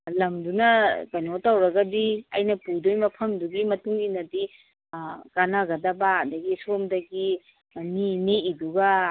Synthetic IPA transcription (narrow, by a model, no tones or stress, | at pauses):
lɐmdunɐkɐjnotawɾɐɡɐdiɐjnɐpudojmɐpʰɐmduɡimɐtuŋinɐdi | kanaɡɐdɐbadɐɡisomdɐɡi | nineiduɡɐ